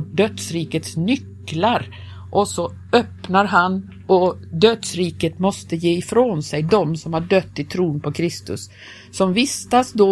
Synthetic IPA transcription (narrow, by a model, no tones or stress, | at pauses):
ɖœt̪sɾiːkət̪snʏkː | laɾ | ʔɔsɔ | œpnaɾɦan | ɔd̪œd̪sɾiːkət̪mɔst̪əjeːɪfɾoːnsɛjd̪ɔmsɔmhaɖœt̪ːɪt̪ʰɾuːnpʰɔkʰɾɪst̪ɵ̰sː | ɔmvɪst̪asd̪o